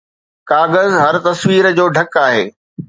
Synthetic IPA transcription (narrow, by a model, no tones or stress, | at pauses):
kaːɣəzɦɐɾt̪ɐsʋiːɾd͡ʑoːɖʱɐkaːɦeː